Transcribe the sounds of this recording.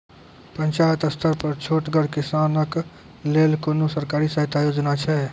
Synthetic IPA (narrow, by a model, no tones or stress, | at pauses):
pənt͡ʃaət̪əst̪ʰəɾpəɾt͡ʃʰoːʈɡəɽkɪsanək | lelkonosəɾkaːɾisaɦit̪ajod͡ʒnat͡ʃʰɛ